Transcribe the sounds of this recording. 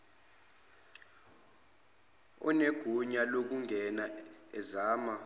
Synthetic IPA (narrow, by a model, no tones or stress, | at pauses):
ɔ̰neɡ̥ʱuɲalok̬uŋʱɛnaɛzaːma